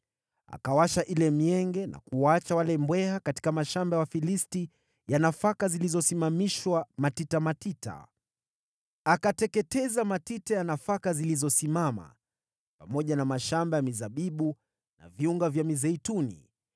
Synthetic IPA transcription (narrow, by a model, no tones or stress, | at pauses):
a̰kawaʃaʔilɛmiɛŋɡɛna̰kuat͡ʃawalɛmbwɛhakati̥kamaʃambawafilisti | janafakazilizɔsimamiʃwamatitamatita̰ | akatɛkɛtɛzamatitajanafakazilizɔsimama̰ | pamɔʄanamaʃambajamizaɓiɓu | na̰viuŋɡavjamizɛitunḭ